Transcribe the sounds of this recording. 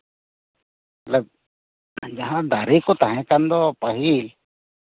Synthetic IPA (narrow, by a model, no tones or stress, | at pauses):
mat̪ləb̚ | d͡ʒaɦãd̪aɾikɔt̪aɦɛ̃kand̪ɔpaɦil